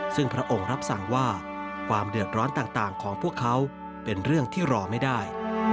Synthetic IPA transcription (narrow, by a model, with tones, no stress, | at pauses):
sɯ˥˩ŋpʰɾa˦˥ʔo˧ŋɾa˦˥p̚sa˨˩˦ŋwaː˥˩ | kʰwaː˧mdɯ˨˩ət̪̚ɾɔː˦˥nt̪aː˨˩ŋt̪aː˨˩ŋkʰɔː˩˦ŋpʰu˥˩əkʰːa˦˥w | pe˧nɾɯ˥˩əŋt̪ʰiː˥˩ɾɔː˧ma˥˩jdaː˥˩j